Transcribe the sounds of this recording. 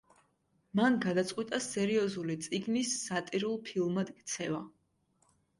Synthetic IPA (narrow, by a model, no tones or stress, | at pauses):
manɡad̪at̪sʼqʼwit̪ʼasɛɾiɔzulit̪sʼiɡnisːat̪ʼiɾulˠpʰilˠmad̪ɡt̪sʰɛva